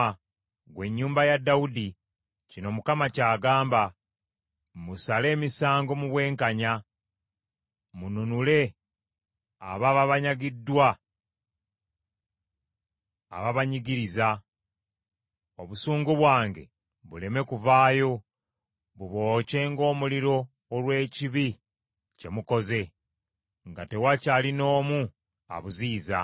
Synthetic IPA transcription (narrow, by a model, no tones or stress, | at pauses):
a | ɡwe̞ɲːuːmbajadːaudi | cino̞mukamacaːɡaːmba | musale̞ːmisaːŋɡo̞muβwe̞ːŋkaɲa | mununule̞ | a̰βaβaβaɲaɡidːwa | βaβaɲiɡiɾiza | o̞βusuːŋɡuβwaːŋɡe̞̰ | βule̞me̞kuvaːjo̞ | βuβo̞ːce̞ŋɡo̞ːmuliɾo̞ː | lwe̞ːciβi | ce̞muko̞ze̞ | ŋɡate̞wacalino̞ːmu | a̰βuziːza̰